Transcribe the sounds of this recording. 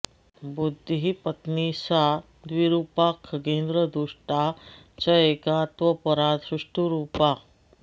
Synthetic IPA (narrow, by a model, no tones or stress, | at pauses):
bud̪ʱːɦipət̪nisa | d̪ʋiɾuːpakʰkend̪ɾəd̪uʂʈa | t͡ʃɐekat̪ʋəpəɾãt̪sɾuʂʈuɾuːpa